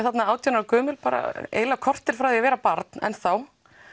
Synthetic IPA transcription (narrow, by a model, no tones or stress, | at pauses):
θat̪naaːwt̪ʰɔnaɾakœːmʏlpaːɾa̰ḛːjlakʰɔr̥t̪ɪɾ̥fɾawðɛavɛːɾapaɾt̪̚nɛ̰nθaw